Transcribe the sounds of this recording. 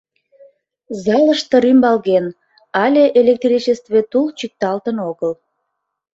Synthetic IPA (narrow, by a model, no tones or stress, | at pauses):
zɑləʃt̪əɾymbɑlɣen | ɑlʲeʔelʲek̚t̪rʲit͡ɕest̪vet̪ult͡ɕyk̚t̪ɑlt̪ənoɣəl